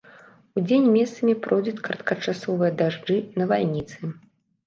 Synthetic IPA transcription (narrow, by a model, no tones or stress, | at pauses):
ud͡zʲenʲmʲɛst̪sɐmʲipɾʔɔjd͡zʲut͡sʲkɾɐt̪̚kɐt͡ʂasɔvɨjɐd̪aʐd͡ʐɨnɐvalʲnʲit̪sɨ